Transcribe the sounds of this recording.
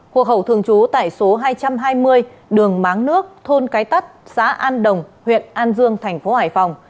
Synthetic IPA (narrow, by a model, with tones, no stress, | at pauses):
ho̰˧˩khə˧˩wt̪ʰɨ˨˧˩əŋt͡ɕu˨˦t̪a̰ː˧˨jso˨˦ɦaː˧jt͡ɕa˧mɦaː˧jmɨ˧əj | ɗɨ˨˩əŋmaː˨˦ŋnɨ˦˥ək̚t̪ʰo˧nkaː˨˦jt̪ə˦˥t̚sa̰ː˧˥ʔaː˧nɗə˨˩wŋ͡mhwḭ˧˨ənʔaː˧nzɨ˧əŋt̪ʰɛ˨˩jŋ̟fo˨˦haː˧˩jfa˨˩wŋ͡m